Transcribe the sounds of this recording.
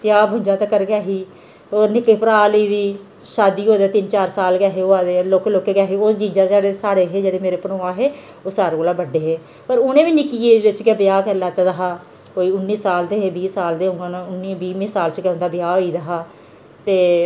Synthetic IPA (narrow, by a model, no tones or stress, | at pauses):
bjaːbʱʊ̃ɲd͡ʒãːt̪aːkəɾɡaːɦiː | oːnɪkepəɾaːləiːd̪iː | ʃaːd̪iːɦoːd̪aːt̪ɪnt͡ʃaːɾsaːlɡɛːɦeːoːaːd̪eːloːkloːkeːɡɛːɦeːoːsd͡ʒĩːd͡ʒãːd͡ʒaːɽeːsaːɽeːɦeːd͡ʒeːɽeːmeːɾeːpənoːãːɦeː | oːsaːɾeoːlaːbəɖeːɦeː | pəɾʊnẽːʋiːnɪkiːeːʋɪt͡ʃkeːbɪjaːkəɾlat̪ad̪əɦaː | koːiːʊnːiːsaːlt̪eːɦeːbiːsaːld̪eːʊŋãːnaʊnːiːbiːniːsaːlt͡ʃkɛʊ̃nd̪aːbjaːɦoːiːd̪əɦaː | t̪eː